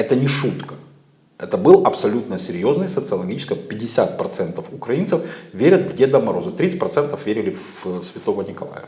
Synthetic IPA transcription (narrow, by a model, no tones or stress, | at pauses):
ɛt̪ənʲɪʂut̪kə̥ | ɛt̪əbɨlˠɐpsɐlʲut̪nəsʲɪɾʲjo̞znɨjsət̪sɨɐlˠɐɡʲit͡ɕɪ̥skəpʲɪdʲːɪsʲat̪̚pɾɐt̪sɛnt̪əfʊkɾɐinsɨfvʲeɾʲət̪vɡdʲed̪əmɐɾo̞zət̪ɾʲit̪sɨtʲpɾɐt̪sɛnt̪əfvʲeɾʲɪlʲɪf | sʲvʲɪt̪o̞vənʲɪkɐlˠa̰jə̰